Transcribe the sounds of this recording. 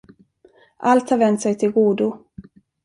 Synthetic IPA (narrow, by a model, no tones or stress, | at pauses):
ʔalt̪haɾvɛnt̪sɛjt̪ʰɪlɡuːd̪ʊ